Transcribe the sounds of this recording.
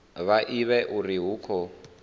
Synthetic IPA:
βaʔiβɛʔuriɦuːkʰɔ

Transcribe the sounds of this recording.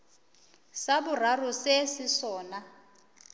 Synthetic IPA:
sabur̤arusesɪsɔːna

